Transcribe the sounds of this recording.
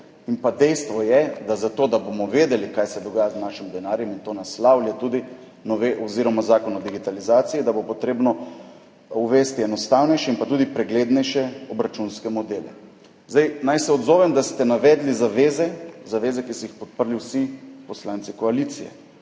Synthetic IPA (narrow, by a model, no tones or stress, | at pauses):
inpad̪ɛjst̪ʋɔjɛd̪azat̪oːd̪abomɔʋeːd̪ɛlikajsɛd̪ɔɡaːjaznaːʃimd̪ɛnaːɾjɛmint̪onaslawljat̪uːd̪i | nɔʋeʔoziɾɔmazaːkɔnɔd̪iɡit̪alizaːt̪siid̪abopɔt̪ɾeːbnɔ | uʋest̪iɛnɔst̪awnɛjʃɛinpat̪uːd̪ipɾɛɡleːd̪nɛjʃɛɔbɾat͡ʃunskɛmɔd̪eːlɛ̰ | zd̪ajnajsɛɔd̪zoːʋɛmd̪ast̪ɛnaʋɛd̪lizaʋeːzɛzaʋeːzɛkisɔixpɔt̪̚pəɾliwsipɔslant̪sikɔalit̪sijɛ̰